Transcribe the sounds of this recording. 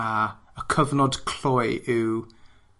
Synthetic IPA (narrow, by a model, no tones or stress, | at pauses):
aəkʰəvnɔdkʰl̥ɔjʔɪw